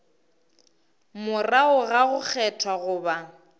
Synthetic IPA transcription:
mʊraʊɣaɣʊk͡xʰɛtʰwaɣʊːba

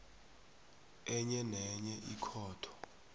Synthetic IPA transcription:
ɛɲɛnɛɲɛʔikʰɔːtʰɔ̥

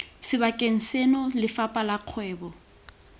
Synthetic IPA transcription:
sɪβakʼeŋ̩senɔlɪfapʼalaq͡χʰwɛːbɔ

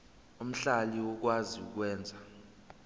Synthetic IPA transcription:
um̩ɬaliwɔk̬waziṵk̬wɛːnd͡zʱa

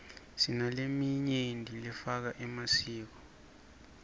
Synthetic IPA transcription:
sinalemiɲendʱilɛfak̬aʔɛmasiːk̬ɔ

